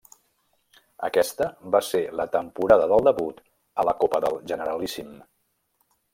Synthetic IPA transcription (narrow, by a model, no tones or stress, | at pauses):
ə̰kɛst̪əβaselət̪əmpuɾaðəðəlˠd̪əβut̪ | ələkopəðəlˠʒənəɾəlisim